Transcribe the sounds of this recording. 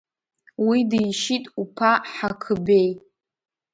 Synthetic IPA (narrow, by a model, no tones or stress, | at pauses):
widijʃitʼupʰaħakʰɨbej